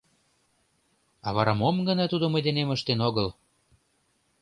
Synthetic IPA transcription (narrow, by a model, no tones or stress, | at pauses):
ɑβɑɾɑmomɡə̆nɑt̪ud̪omə̆jd̪eneməʃt̪enoɣɤl